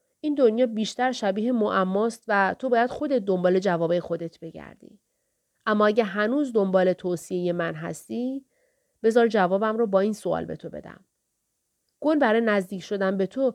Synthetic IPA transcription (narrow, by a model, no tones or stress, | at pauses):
ʔiːnd̪onjɒːbiːʃt̪æɾʃæbiːɦemoʔæmːɒːst̪væt̪ʰo̞bɒːjæd̪̥xo̞d̪e̞t̪̚d̪o̞mbɒːle̞d͡ʒævɒːbejexo̞d̪e̞t̪ʰbe̞ɟæ̰ɾd̪ḭ | ʔæmːɒːæɟæɾɦænuːzd̪o̞mbɒːle̞t̪ʰoːsiejemænɦæ̰st̪iː | b̥e̞zɒːɾd͡ʒævɒːbæmrɔːbɒːiːnsoɒ̰ːlbe̞̰t̪ʰobe̞̰d̪æ̰m | ɡ̥o̞nbæɾɒːjenæzd̪iːcʰʃo̞d̪ænbe̞t̪ʰo